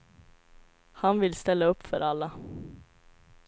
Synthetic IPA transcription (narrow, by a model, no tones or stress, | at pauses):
hɑnʋɪlst̪ɛləɔpːfœɾɑlə